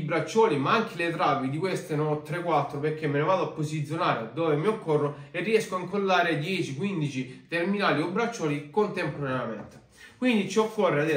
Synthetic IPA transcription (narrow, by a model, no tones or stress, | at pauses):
bɾat͡ʃːɔːlimaaŋk̟ʰelet̪ɾaːpid̪ikwest̪enot̪ːɾekːwat̪ːɾoperk̟ːemːenovaːd̪oapːosit̪sːjonaːɾed̪ɔːvemiokːɔrːoerːiɛskoaiŋkolːaːɾed̪jɛːt͡ʃikwind̪it͡ʃit̪erminaːliobɾat͡ʃːɔːlikont̪empoɾanejamḛnt̪e̥ | kwind̪it͡ʃiokʰːɔrːead̪e